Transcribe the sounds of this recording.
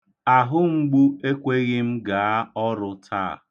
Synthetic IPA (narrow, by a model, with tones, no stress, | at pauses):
a˨ɦʊ˦ŋ͡m̩˦ɡ͡bu˦e˦kʷe˦ɣɪ˦m̩˦ɡa˨a˦ɔ˦ɾʊ˦tʰa̰ː˦˨